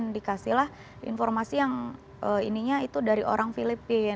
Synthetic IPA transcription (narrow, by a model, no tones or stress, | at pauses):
ndikasihlah | ʔḭnformasijaŋ | ʔəḭniɲait̪udaɾiʔo̰ɾaŋfilipi